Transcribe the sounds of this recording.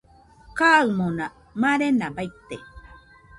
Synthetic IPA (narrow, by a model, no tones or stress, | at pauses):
kaːɯmona | maɾenabait̪ːḛ